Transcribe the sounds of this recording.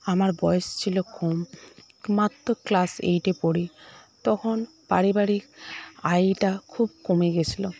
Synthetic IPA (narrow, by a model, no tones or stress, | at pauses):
amaɾbɔjest͡ɕʰilokom | mat̪ːoklasḛjʈepoɾit̪ɔkʰon | paɾibaɾikajʈakʰub̚komeɡet͡ɕʰilo